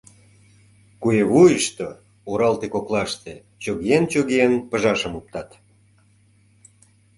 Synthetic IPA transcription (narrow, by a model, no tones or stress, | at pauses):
kueβujəʃt̪o | oɾɑlt̪ekoklɑʃt̪e | t͡ɕoɣeent͡ɕoɣeenpə̆ʒɑʃəmup̚t̪ɑt̪